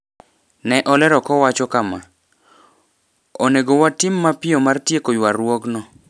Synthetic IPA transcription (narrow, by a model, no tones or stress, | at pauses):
nɛʔɔlɛɾɔkɔwat͡ʃɔkama | oneɡowatɪmːapɪɔmartjekojwaɾwɔɡnɔ